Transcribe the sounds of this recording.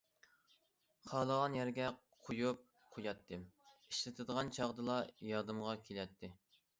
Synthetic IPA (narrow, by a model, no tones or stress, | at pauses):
χʰɑːlˠəʁɑnjɛɾɡʲɛ | qʰojup̚ | qʰojɑt̪ʰːɨmiʃlɨt̪ʰɨd̪əʁɑnt͡ʃʰɑʁd̪ɨlˠɑjɑd̪ɨmʁɑkʲʰelɛt̪ʰːɪ